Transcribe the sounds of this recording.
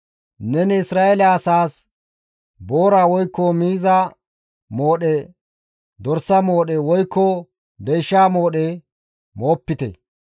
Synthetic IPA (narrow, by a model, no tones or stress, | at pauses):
nɛnɛɪsɾaːʔɛlɛɐsaːs | bo̞ːɾaːwɔjkːɔmiːzɐ | mo̞ːɗɛ | d̪ɔɾsɐmo̞ːɗɛwɔjkːɔ | d̪ɛjʃːaːmo̞ːɗe | mo̞ːpːɪt̪ɛ̰